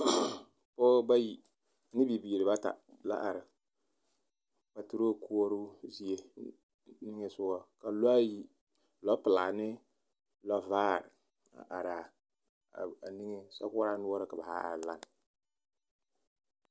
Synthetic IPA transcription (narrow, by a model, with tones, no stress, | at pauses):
pɔ˦ba˦ji˨˦ | nɪ˦bi˨bi˨ɾɨ˨ba˦ta̰˨la̰˦ʔa˨ɾɪ˨ | pa˨tu˨ɾo˦ku˦o˦ɾʊ˦zi˦e˦ | nɪ˦ŋe˦sʊ˦ɡɔ˦ka˨lji˦ | lɔ˦pɨ˨la˨nɪ˦ | lɔ˦vaː˦˨ɾ | a̰˨ʔa˨ɾa˨ | a˨nɪ˦ŋɪ˦sa˦kɔ˦ɾa˦nu˦ɔ˦ɾɨ˨ka˨ba˨ha̰˦a̰˨ɾla˦n˨